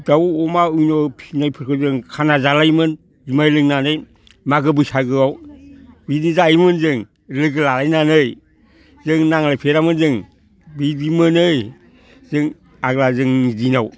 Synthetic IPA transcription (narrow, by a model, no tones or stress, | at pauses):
dawɔmaujnopʰinajpʰɯɾkʰɯzɯŋkʰanazalajmɯn | zumajlɯŋnanɯj | maɡɯbɯsaɡɯawbidizajmɯnzɯŋ | lɯɡɯlalajnanɯj | zɯŋnaŋlajpʰeɾamɯnzɯŋ | bidimɯnɯj | zɯŋ | aɡlazɯŋidinaw